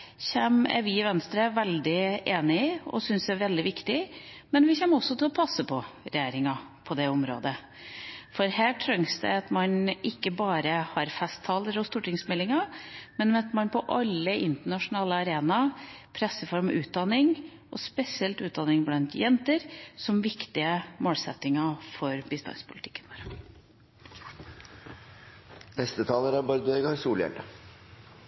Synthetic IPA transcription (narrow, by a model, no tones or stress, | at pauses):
çɛmæ̰ɾʋɪʋɛnst̪ɾəʋɛld̪ɪʔeːnɪɔ̰sʏnsɛæɾʋɛld̪ɪʋɪkt̪ɪ | mɛnʋɪçɛmːɔsːɔt̪ʰɪlɔpʰɑsːəpʰɔɾɛjeːɾɪŋɑ | pʰɔd̪ɛʊmɾo̰ːd̪ə | fɔɾhæːʈʰɾœŋsd̪ɛ̰ɑt̪mɑnʔɪkːəbɑːɾəhɑɾfɛst̪ʰːɑːləɾɔst̪uːʈɪŋsmɛlːɪŋɑmɛnmɑt̪mɑnpʰɔʔɑlːəʔɪnt̪əɳɑʂʊnɑːləɑɾeːnɑpʰɾɛsːəfɔɾmʔʉ̰ːt̪̚d̪ɑnɪŋ | ɔspɛsɪɛlt̪ʉːt̪̚d̪ɑnɪŋblɑnt̪jɛnt̪əɾsɔmʋɪkt̪ɪəmoːlsɛ̰t̪ːɪŋɑfɔɾbɪst̪ɑ̰nspʰʊlɪt̪ʰɪ̥kːənʋoːɾə | nɛst̪ət̪ʰɑːləɾæɾbɑɾd̪ʉɛɡɑɾsuːljɛ̰lɖə